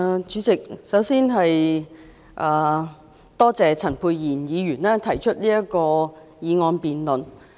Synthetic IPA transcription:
t͡ʃyː˨˧˥t͡sɪ˨k̚sɐ˨˥wsiː˥nɦɐ˨j | ʔaː˨˩ | t̪ɔː˥t͡sɛː˨˧t͡sʰɐ˨˩npʰuː˧jːiː˨˩njiː˨˧jyː˨˩nɛː˥t̪ʰɐ˨˩jt͡ʃʰɵ˥t̚liː˥jɐ˥kɔː˧ | jiː˨˧ŋɔː˨˧npiː˨nlɵ˨n

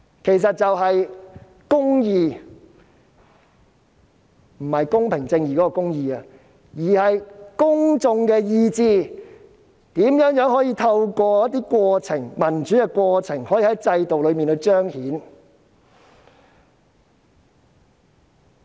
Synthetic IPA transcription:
kʰe˨˩js̬ɐ˨t̚t͡sɐ˨wɦɐ˨j | kʊ˥ŋjiː˧ | m̩˨˩hɐ˨jkʊ˥ŋpʰɪ˨˩ŋt͡sɪ˧ŋjiː˨˩kɔː˨˥kɔː˧kʊ˥ŋjiː˨˧aː˧ | jiː˨˩hɐ˨jkʊ˥ŋt͡sʊ˧ŋkɛː˧jiː˧t͡siː˧ | t̪iː˨˥mjœː˨˥ŋjœː˨˥ŋɦɔː˨˥jiː˧t̪ʰɐ˧wkʷɔː˧jɐ˥t̚t̪iː˥kʷɔː˧t͡sʰɪ˨˩ŋmɐ˨˩nt͡ʃyː˨˥kɛː˧kʷɔː˧t͡sʰɪ˨˩ŋhɔː˨˥jiː˧hɐ˨˥jt͡sɐ˧jt̪o˨wlɵ˨˧ɥmiː˨nhɵ˧ɥt͡ʃœː˥ŋhiː˨˥n

